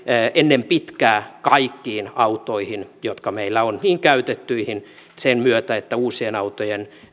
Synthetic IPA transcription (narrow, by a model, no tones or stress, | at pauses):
ʔenːempit̪kæːkɑikːiːnɑut̪oihinjot̪kɑmeilːæonniːŋkæyt̪et̪ːyihinsenmyøt̪æet̪ːæuːsienɑut̪ojen